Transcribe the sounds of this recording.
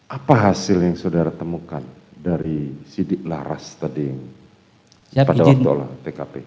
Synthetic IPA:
ʔapaɦasɪljaŋsodaɾat̪əmukandaɾisidɪʔlahrast̪adiŋ | padawak̪̚ula̰ht̪ekape

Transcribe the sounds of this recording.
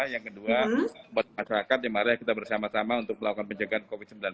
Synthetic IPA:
jaŋkəduabat̪̚maʃaɾakat̪̚damaɾajakit̪abərsamasamaunt̪ʊk̚məlakukanpəɲd͡ʒaɡaankofit̪səmbilan

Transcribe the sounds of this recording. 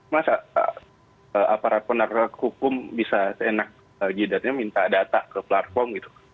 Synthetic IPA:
masaə | əapaɾat̪̚pənarhukʊmbisasenak̚ | əd͡ʒidat̪̚ɲamint̪adat̪akəplat̪̚fɔrmɡit̪u̥

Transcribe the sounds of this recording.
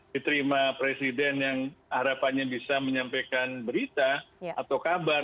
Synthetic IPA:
dit̪əɾimapɾesidɛnjaŋaɾapanɲabisaməɲampejkanbəɾit̪aat̪awkabar

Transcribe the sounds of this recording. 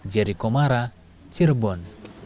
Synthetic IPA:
d͡ʒaɾikɔmaɾa | t͡ʃirbɔn

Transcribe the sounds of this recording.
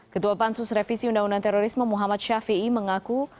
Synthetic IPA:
kət̪uapansʊsɾefisiundaŋundant̪ɛɾoɾisməmuɦamat̪̚ʃafiiməŋaku

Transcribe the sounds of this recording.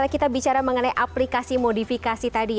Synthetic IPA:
lakit̪abit͡ʃaɾaməŋənajʔaplikasimodifikasit̪adi

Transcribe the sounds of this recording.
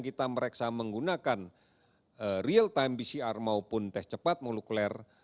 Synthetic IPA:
ŋkit̪aməɾɛksaməŋɡunakan | əriəlt̪aɛmbisiarmaupʊnt̪ɛst͡ʃəpat̪̚moluklɛr

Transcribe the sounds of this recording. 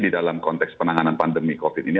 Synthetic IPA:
didalamkɔnt̪ɛkspənaŋananpandəmikofit̪ini

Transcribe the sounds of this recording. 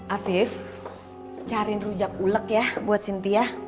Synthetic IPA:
ʔafɪf | t͡ʃaɾɪnrud͡ʒak̚uləkjahbuat̪̚sint̪iah

